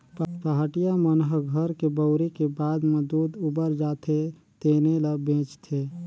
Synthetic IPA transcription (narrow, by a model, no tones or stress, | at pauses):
ppaɦaʈijamənɦəɡʱəɾkebəʊɾikebaːd̪məd̪uːd̪ubəɾd͡ʒaːt̪ʰe | t̪eːneləbẽːt͡ʃt̪ʰeː